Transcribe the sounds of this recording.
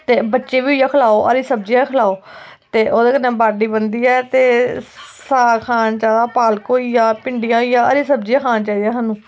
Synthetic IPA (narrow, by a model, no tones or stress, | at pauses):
t̪eːbətːʃeːʋiːʊjãːkʰəlaːoːʔəɾiːsəbd͡ʒiãkʰəlaːoːt̪eːʔoːd̪eːkənẽːbaːɖiːbənd̪iːɛːt̪eːsaːkʰaːnt͡ʃaːd̪aːpaːlkoːijãːpɪɳɖijãːoijãːəɾiːsəbd͡ʒiãːkʰaːnt͡ʃaːiːɛːɦanũː